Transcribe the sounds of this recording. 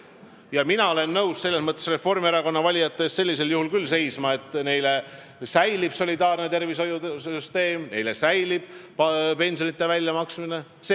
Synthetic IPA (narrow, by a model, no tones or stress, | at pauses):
jɑminɑo̞le̞nːɤwsse̞lːe̞smɤt̪ːˑesre̞fːo̞rmeɾɑko̞nːɑvɑlʲijɑt̪ːˑe̞sse̞lːis̬e̞ljuhulkylːse̞jsmɑe̞t̪ːˑne̞jle | sæjlib̥so̞lʲid̪ɑːrne̞t̪e̞rviso̞jud̪eyst̪e̞ːmne̞jle̞sæjlib̥̚ppe̞nʲsio̞nit̪ːˑe̞vælʲjɑmɑksmine̞ | se